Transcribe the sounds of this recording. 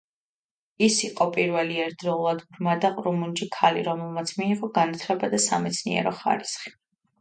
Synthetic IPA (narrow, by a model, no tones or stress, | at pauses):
isiqʼɔpʼiɾvɛliɛɾd̪ɾɔulˠad̪bɾmad̪aqʼɾumund͡ʒikʰalḭɾɔmɛlˠmat̪sʰmiːqʼɔɡanat̪ʰlɛbad̪asamɛt̪sʰnḭɛ̰ɾɔχa̰ɾisχi̥